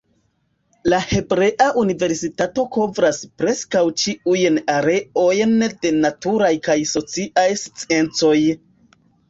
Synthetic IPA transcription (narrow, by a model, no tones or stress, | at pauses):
lahe̞bɾe̞ʔaʔunive̞ɾsitato̞ko̞vɾaspɾe̞skawt͡ʃiujnaɾe̞o̞jnde̞natuɾajkajso̞t͡siʔajst͡sie̞nt͡so̞j